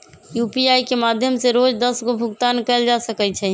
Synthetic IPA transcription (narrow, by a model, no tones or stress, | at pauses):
jupiajkemad̪ʱjəmseɾod͡ʒd̪əsɡobʱuɡt̪ankɛɪld͡ʒasəkɛt͡ʃʰɛ